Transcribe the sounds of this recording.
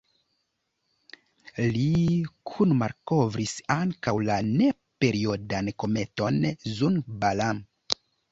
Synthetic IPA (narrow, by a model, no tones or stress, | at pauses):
likʰunmaɾko̞vɾisaŋkawlane̞ | pe̞ɾio̞danko̞me̞to̞nzunbalam